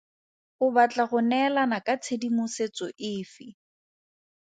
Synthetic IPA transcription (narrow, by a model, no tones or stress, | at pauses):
ʊbat͡ɬʼaɣʊnɛlanakʼat͡sʰedimʊset͡sɔʔɪːfɪ